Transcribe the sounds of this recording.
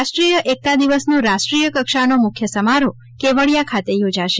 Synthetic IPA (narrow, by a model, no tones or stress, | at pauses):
aʃʈɾijəʔek̚t̪ad̪iʋəsnũɾaʃʈɾijəkəkʃanomʊkʰjəsəmaɾo | keʋəɭjakʰat̪ejod͡ʒaʃe